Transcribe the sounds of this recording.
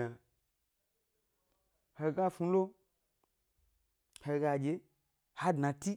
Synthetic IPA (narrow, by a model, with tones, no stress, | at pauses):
a˨ | he˧ɡa˦fũ˧lo˦ | he˧˨ɡa˧d͡ʒe˨˦ | ha˦dnã˨ti˦